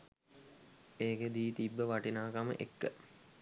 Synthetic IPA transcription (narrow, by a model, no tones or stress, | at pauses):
eːked̪iːt̪ibːəʋaʈinaːkamə̰ʔḛkːə̰